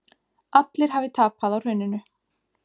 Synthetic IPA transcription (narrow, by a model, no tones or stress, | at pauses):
at̪lɪɾ̥ɦavɪt̪ʰaːpaðawr̥ʏːnːʏnʏ